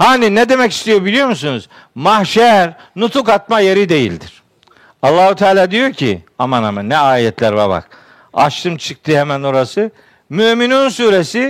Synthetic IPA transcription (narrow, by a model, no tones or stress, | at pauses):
haːninɛd̪e̞mɛcist̪ʰijobilʲijo̞ɾmusunuz | mahʃɛɾ | nut̪ʰukat̪̚majeɾid̪e̞jḭlʲd̪iɾ̥ | ɑlˠːaːhut̪ʰaːlʲaːd̪ijocʰḭamanamanːɛaːjɛt̪ʰlʲæɾva̰ɾba̰k | a̰ʃt̪ʰɯmt͡ʃʰɯk̚t̪ʰɯhɛmæno̞ɾasɯ | myminunsuːɾesi